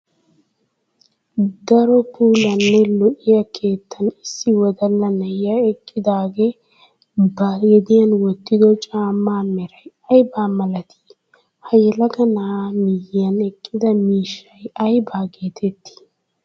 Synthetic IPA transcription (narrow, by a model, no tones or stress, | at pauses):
d̪ɐɾɔpʰuːlɐnːɛlɔʔɪjɐkʰe̞ːt̪ːɐnɪsːɪwɔd̪ɐlːɐnɐjaɛkʼːɪd̪aːɡe | bajɛd̪ɪjɐnwɔt̪ːɪd̪ɔt͡ʃʼaːmːaːmɛɾɐjɐjbaːmɐlɐt̪ʰi̥ | hɐjɛlɐɡɐnamɪjːɪjɐnɛkʼːɪd̪ɐmiːʃːɐjɐjbaːɡe̞ːt̪ʰɛt̪ːi̥